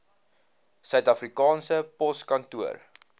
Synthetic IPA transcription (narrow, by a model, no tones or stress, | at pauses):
sœɥtɐfrikɑːnsəpɔskɐntuər